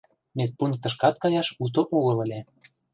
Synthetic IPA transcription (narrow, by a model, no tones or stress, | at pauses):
met̪̚pun̚t̪ə̆ʃ̬kɑt̪̚kɑjɑʃut̪̬oʔoɣə̆lə̆lʲe